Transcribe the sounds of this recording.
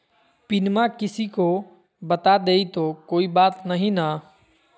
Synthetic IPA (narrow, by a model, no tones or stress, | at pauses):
pɪnmakɪsiko | bɐt̪ad̪eːit̪okoːibaːt̪nɐɦĩna